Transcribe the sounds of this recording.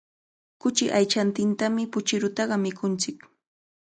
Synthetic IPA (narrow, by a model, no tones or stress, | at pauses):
kʊt͡ʃɪ̰ʔajt͡ʃant̪ɪnt̪amɪpʊt͡ʃɪɾʊt̪ɑɢɑmɪkʰʊnt͡sɪk